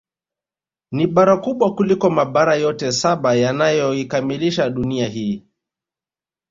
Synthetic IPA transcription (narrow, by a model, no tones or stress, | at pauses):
niɓaɾakuɓwakulikɔmaɓaɾajɔtɛsaɓajanajɔikamiliʃaɗuniaɦiː